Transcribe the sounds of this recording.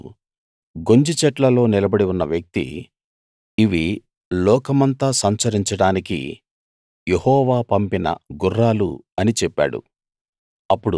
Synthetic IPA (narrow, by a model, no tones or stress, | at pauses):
ɡo̞ɲd͡ʒit͡ʃɛʈlɐlo̞ːnilɐbɐɽiunːɐʋjɐk̚t̪ḭ | ʋi | lɔːkɐmɐnt̪aːsɐmt͡ʃɐɾiɲt͡ʃɐɽaːnikḭ | jehɔːʋaːpɐmpinɐ̰ɡurːaːlṵɐnit͡ʃɛpːa̰ːɽṵ | ɐpːuɽu